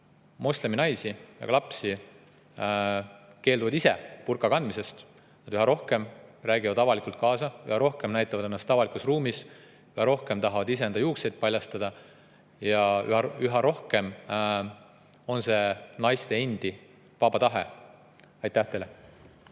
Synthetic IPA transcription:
mosle̞minɑjsijɑ̰ɡ̥ɑlɑpsi | ke̞ːld̪uvɑd̪ise̞̰purkˑɑkɑnd̪mise̞st̪ | nɑd̪yɦɑɾo̞hke̞mræːɡivɑd̪ɑvɑlikult̪̚kɑːsɑy̰hɑɾo̞hke̞mnæjt̪ːˑɑvɑd̪enːɑst̪ːˑɑvɑlikusruːmis | yhɑɾo̞hke̞mt̪ɑɦɑvɑd̪is̬eend̪̥ɑjuːkse̞jd̪̥̚pɑlʲjɑst̪ɑd̪̥ɑ | jɑy̰yɦɑɾo̞hke̞m | o̞nse̞nɑjst̪e̞enʲd̪̥i | vɑbɑt̪ɑɦḛ | ɑjt̪ːˑæht̪ele

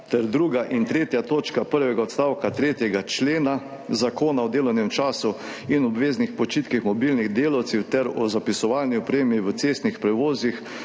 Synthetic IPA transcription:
t̪ɛɾd̪ɾuːɡaʔint̪ɾeːt̪jat̪oːt͡ʃkapəɾʋɛɡaɔt̪st̪awkat̪ɾeːt̪jɛɡat͡ʃleːna | zakoːnaɔd̪eːlɔwnɛmt͡ʃaːsu | inɔbʋeːznixpɔt͡ʃiːt̪kixmɔbilniɣd̪eːlawt̪sɛwt̪ɛɾɔzapisɔʋalniɔpɾeːmiʋət̪seːst̪nixpɾɛʋoːzix

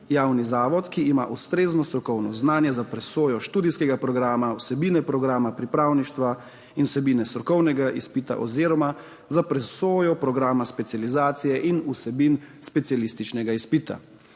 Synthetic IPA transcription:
jawnizaːʋɔt̪kiːma̰ʔust̪ɾeːznɔst̪ɾɔkɔwnɔznaːnjɛzapɾɛsoːjɔʃt̪uːd̪iskɛɡapɾɔɡɾaːmausɛbiːnɛpɾɔɡɾaːmapɾipɾaːwniʃt̪ʋa | inusɛbiːnɛst̪ɾɔkɔwnɛɡaʔispit̪a̰ʔɔziːɾɔma | zapɾɛsoːjɔpɾɔɡɾaːmaspɛt̪sializaːt̪sijɛʔinusɛbinspɛt̪sialist̪it͡ʃnɛɡaispit̪a̰

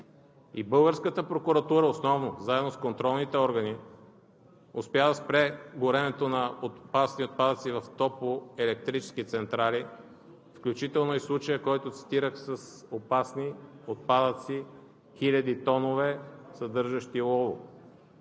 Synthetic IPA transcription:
ibɤlˠɡəɾskət̪əpɾokuɾɐt̪uɾəosnɔvnozaɛd̪noskont̪ɾɔlˠnit̪ɛɔɾɡəni | ospjad̪ɐspɾɛɡʊɾɛnɛt̪onɐot̪pasniot̪̚pad̪ət̪sivɐft̪ɔpoɛlɛk̚t̪ɾit͡ʃɛ̥sk̟it̪sɛnt̪ɾali | fklʲut͡ʃit̪ɛlˠnoislˠut͡ʃəjəkɔjt̪ʊt̪si̥t̪iɾəxsəsopasniot̪̚pad̪ət̪si | xilʲɐd̪it̪ɔnovɛsɐd̪ɤɾʒɐʃt̪ilˠɔvˠo̰

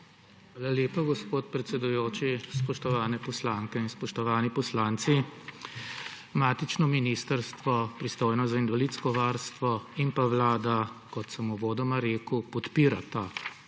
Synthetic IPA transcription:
xʋaːlaleːpaɡɔspoːt̪̚pɾɛt̪sɛd̪ujoːt͡ʃispɔʃt̪ɔʋaːnɛpɔslaːŋkɛinspɔʃt̪ɔʋaːnipɔslaːnt̪si | maːt̪it͡ʃnɔminist̪əɾst̪ʋɔpɾist̪oːjnɔzainvalit̪skɔʋaːɾst̪ʋɔimpaʋlaːd̪akɔt̪sɛmuʋoːd̪ɔmaɾeːkupɔt̪piːɾa̰t̪a

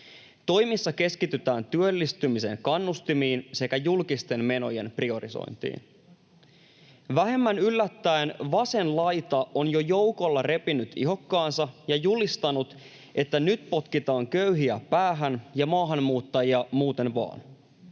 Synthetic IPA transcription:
t̪o̞jmisːɑke̞skit̪yt̪æːnt̪yølːist̪ymise̞̰ŋkɑnːust̪imiːnse̞kæjulkist̪e̞nme̞no̞̰je̞̰nprio̞ɾḭso̰jnt̪ḭːn | ʋæɦe̞mːænylːæt̪ːæenʋɑse̞nlɑjt̪ɑʔo̞njo̞jo̞wko̞lːɑre̞pinyt̪ḭɦo̞kːɑːnsɑjɑjulist̪ɑnut̪ | ʔe̞t̪ːænyt̪po̞t̪kit̪ɑːŋkøyɦiæpæːɦænjɑmɑːɦɑnmuːt̪ːɑjiɑmuːt̪e̞nʋɑ̰ːn

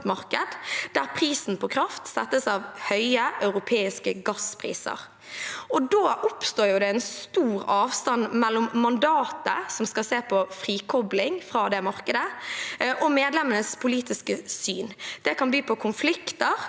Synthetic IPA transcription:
t̪mɑʁkəd̪d̪æʁpʰʁiːsn̩pʰɔkʰʁɑft̪sɛt̪ːəsɑːʋhœʏəʔœʉʁʊpʰeːɪskəɡɑspʰʁḭːsə̰ʁ | ɔd̪oːʔʊpst̪oːɾjʊd̪ɛɛnst̪uːɾɑːʋst̪ɑnmɛlːɔmːɑnd̪ɑːt̪ə̰sɔmskɑseːpʰɔfʁiːkʰɔblɪŋfʁɑːd̪ɛmɑʁkəd̪ə | ʔɔmeːd̪lɛmənəspʰʊliːt̪ɪskəsyːnd̪̥ɛkɑnbyːpʰɔkʰʊnflɪkt̪əʁ

